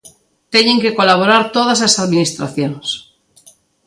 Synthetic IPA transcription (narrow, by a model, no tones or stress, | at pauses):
t̪eɲeŋke̞ko̞laβ̞oɾaɾt̪oðaslasaðminist̪ɾa̰θjons